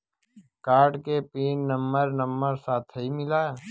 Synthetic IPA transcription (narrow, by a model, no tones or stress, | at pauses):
kaːɾɖkepiːnnɐmbəɾnɐmbəɾsaːt̪ʰɦimɪlaː